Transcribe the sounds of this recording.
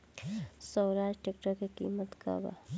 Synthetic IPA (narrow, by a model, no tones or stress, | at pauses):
səwɾaːd͡ʒʈek̚ʈəɾkekḭːmət̪ka̰ba̰